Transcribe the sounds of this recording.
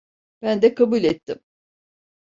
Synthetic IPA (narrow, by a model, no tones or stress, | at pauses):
b̥ænd̪ɛkʰabulʲɛt̪ʰːim